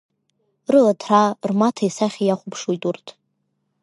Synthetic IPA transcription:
rɨlatʰrarmatʰajsaχʲajaχʷʊpʰʂujtʼurtʰʼ

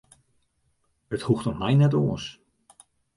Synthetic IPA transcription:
əthuxtɔtmɛjnɛtoəs

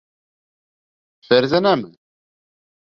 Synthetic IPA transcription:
fəɾzænæmən

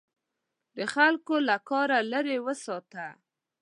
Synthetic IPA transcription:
d̪əxalkolakɑɾaləɾewəsɑt̪a

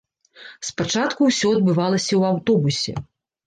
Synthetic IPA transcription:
spat͡ʂat̪kuwsʲɔɐd̪bɨvalˠɐsʲɐwawt̪ɔbusʲɛ̰

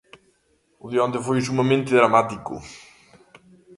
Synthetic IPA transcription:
uðeõnd̪efojʃumɐmẽnt̪ɪðɾɐmat̪ikʊ̰

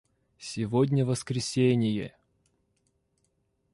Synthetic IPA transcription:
sʲɪvodʲnʲəvəskɾʲɪsʲenʲɪjə̰

